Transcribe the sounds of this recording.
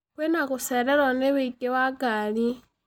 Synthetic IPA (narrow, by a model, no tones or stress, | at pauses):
kwenakuseɾeɾoneβiɡewaɡali